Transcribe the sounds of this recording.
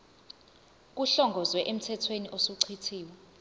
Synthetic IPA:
k̬uɬɔŋɡʱɔzwɛʔem̩tʰɛtʰweniʔosuǀʰitʰiːwɛ

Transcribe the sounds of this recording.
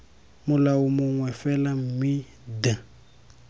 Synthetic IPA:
mʊlaʊmʊŋwɛfɛlam̩mi | da

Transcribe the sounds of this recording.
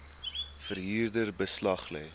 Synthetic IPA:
fərɦiːrdərbəslɐχlɛ̰j

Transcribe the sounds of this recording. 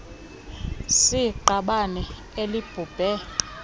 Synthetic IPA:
siǃaɓanɛ | elib̥ʱuːb̥ʱɛ

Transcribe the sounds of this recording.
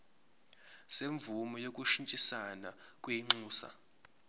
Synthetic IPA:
seɱvumɔjok̬ʼuʃint͡ʃʼisana | k̬ʼwiŋ͡ǀuːsa̰

